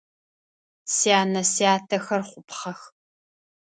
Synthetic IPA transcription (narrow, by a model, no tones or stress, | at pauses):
siaːnɐsiaːtʰɐxɐrχʷʊpχɐx